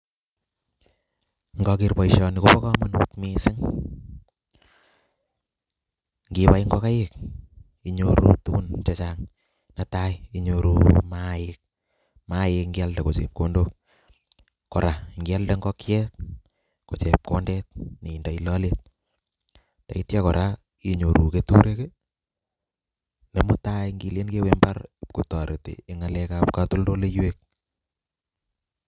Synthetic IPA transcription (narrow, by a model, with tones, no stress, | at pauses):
ŋɡɔ˧kirpɔ˨iʃɔ˧ni˨ko˦bɔ˦kɑmɔnu˦tmisɪ˦ŋ | ŋɡipa˦jŋɡɔ˦ka˦jek̚ | i˨ɲoɾṵ˨tu˦ku˦nt͡ʃet͡ʃaŋ | natajiɲoɾu˨majɪk̚ | majɪkŋɡi˦a˦lde˨ko˨t͡ʃḛ˨p̚kondo˦k̚ | kːɔ˨ɾa˨ŋɡialde˦ŋɡɔkjɛk | ko˨t͡ʃɛp̚kondɛt̚ne˨indailɔlet̚ | ta˨i˦tjakɔ˨ɾa | iɲo˨ɾu˨ketuɾe˦ke | ne˨mu˦tajŋɡi˨le˦nke˦wemba˦ɾku˨tɑ˨ɾe˨tḛː˨˦ŋalɛkapkatu˦ldo˦le˦jwek̚